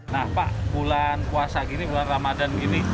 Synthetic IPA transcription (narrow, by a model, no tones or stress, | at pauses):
nahpaʔbulankuasaɡinibulanramadankini